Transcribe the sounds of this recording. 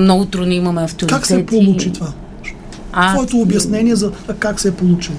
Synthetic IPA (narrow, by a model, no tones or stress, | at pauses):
nɐut̪ɾoniimɐmɛɐft̪oɾkːaksɛpolˠut͡ʃit̪va | avɔɛt̪oːbʲjɐsnɛniɛzɐkaksɛpolˠut͡ʃi